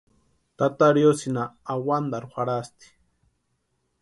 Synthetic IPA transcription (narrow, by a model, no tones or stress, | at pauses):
t̪at̪aɾjosinaːwand̪aɾuxaɾast̪i̥